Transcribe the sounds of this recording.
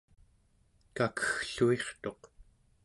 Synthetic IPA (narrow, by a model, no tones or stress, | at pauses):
kakə̥xɬueχt̪o̞q